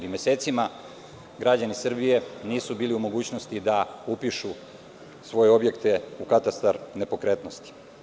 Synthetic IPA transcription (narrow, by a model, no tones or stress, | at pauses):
ɾimjese̞ːt̪sima | ɡɾad͡ʑanisr̩bije̞niːsubiːliumo̞ɡuːt͡ɕno̞st̪id̪aupiʃu | sʋo̞je̞o̞bje̞kt̪e̞ukat̪ast̪aɾne̞po̞kɾe̞ːt̪no̞st̪i̥